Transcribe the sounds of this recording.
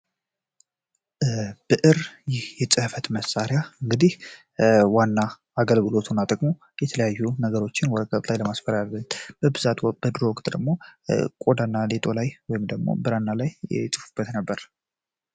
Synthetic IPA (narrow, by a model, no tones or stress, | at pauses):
b̥ɨʔɨɾjɪhjɛt͡sʼɨhfət̪məsːaɾjaɨŋɡɨd̪ih | wanːaː | ɡəlɡɨlo̞t̪ʰunːat̪ʼəkʼmo̞ | jɛt̪ʰələjajːunəɡəɾo̞t͡ʃːɪnwɔd̪əkʼət̪ʼlajləmasfəɾalːət̪b̥əbɨzat̪b̥əd̪ɨɾowɔkʼt̪ʼd̪əɡmo̞kʼo̞d̪anːalet̪ʼo̞lajwɔjɪmd̪əɡmo̞̰bɨɾanːalajɛt͡sʼɨfɨb̥ːət̪nəbːəɾ